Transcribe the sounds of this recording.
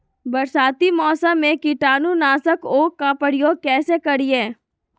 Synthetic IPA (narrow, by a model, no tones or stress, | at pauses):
bɐɾsaːt̪imɔːsəmːẽkiʈaːnunaːsəkoːkːapəɽɪjoːɡ̚kɛːsekɐɽiẽː